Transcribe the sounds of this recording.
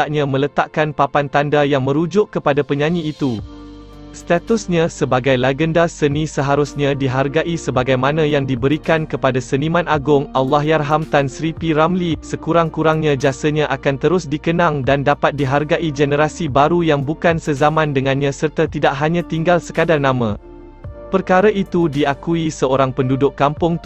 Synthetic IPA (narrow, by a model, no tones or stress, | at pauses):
aʔɲãmə̃lət̪aʔkanpapant̪andajaŋmə̃ɾud͡ʒʊʔkəpadapəɲãɲĩːt̪u | st̪at̪usɲãsəbaɡajlaɡəndasənĩsəɦaɾʊsɲãdiɦarɡaʔisəbaɡajmãnãjaŋdibəɾikankəpadasənimãnaɡʊŋawlahjarɦamt̪ansɾipiɾamlisəkuɾaŋkuɾaŋɲãd͡ʒasəɲãʔakant̪əɾʊsdikənãŋdandapat̪̚diɦarɡaʔid͡ʒɛnəɾasibaɾujaŋbukansəzamãndəŋãnɲãsərt̪at̪idaʔɦaɲãt̪iŋɡalsəkadaŋnãmã | pərkaɾaʔit̪udiakuisəoɾaŋpəndudʊʔkːampʊŋ